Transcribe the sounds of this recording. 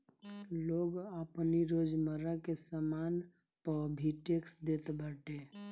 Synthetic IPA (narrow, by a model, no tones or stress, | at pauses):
loːɡəpniɾoːd͡ʒməɾakesəmaːn | pəbʱiʈeksd̪et̪bʱəʈe